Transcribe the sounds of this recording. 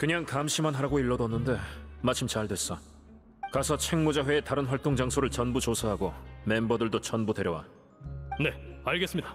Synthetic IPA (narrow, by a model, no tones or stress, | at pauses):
kɯɲaŋkamɕʰimanɦaɾaɡoiɭːʌdʌnːɯnde̞mat͡ɕʰimt͡ɕaɭdwe̞s͈ʌ | kasʰʌt͡ɕʰe̞ŋmud͡ʑaɸwe̞ːtaɾɯnɸwaɭt͈oŋd͡ʑaŋsʰoɾɯɭt͡ɕʌnbut͡ɕosʰaɦaɡome̞mbʌdɯɭdot͡ɕʌnbude̞ɾjʌwa̰ | ne̞aɭɡes͈ɯmɲida